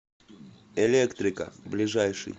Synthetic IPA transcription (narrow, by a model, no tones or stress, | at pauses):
elʲekt̪ɾʲɪkə̰blʲɪʐajʂɨ̰j